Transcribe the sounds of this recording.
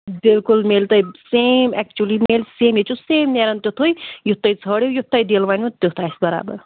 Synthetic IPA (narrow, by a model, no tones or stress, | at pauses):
bilkulmelt̪ɐjsemɛk̚t͡ʃuəlimelseːmjit͡ʃʰuseːmneɾɐnt̪jot̪ʰojjut̪ːɐjt͡sʰəɽewjut̪ːɐjd̪elʋaːnũt̪jot̪ʰasbɐɾa̰ːbə̰ɾ